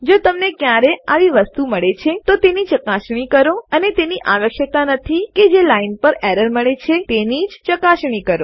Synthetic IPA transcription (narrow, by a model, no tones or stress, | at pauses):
d͡ʒot̪əmnekjaɾeaʋiʋəst̪uməɭet͡ʃʰet̪ot̪enit͡ʃəkaʃɳ̃ikəɾoənet̪eniʔaʋəkʃjət̪anət̪ʰiked͡ʒelainpəɾɛɾəɾməɭet͡ʃʰet̪enid͡ʒt͡ʃəkaʃɳ̃ikəɾo̰